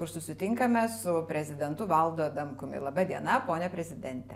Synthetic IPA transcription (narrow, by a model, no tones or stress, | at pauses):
kʊɾsʊsʲɪt̪ʲɪŋkɐmʲɛsʊpʲɾʲɛzʲɪd̪ʲɛnt̪ʊʋɐlˠd̪oːd̪ɐmkʊmʲɪ̰lˠɐbɐd̪ʲiɛnɐpoːnʲɛpʲɾʲɛzʲɪd̪ʲɛnʲt̪ʲɛ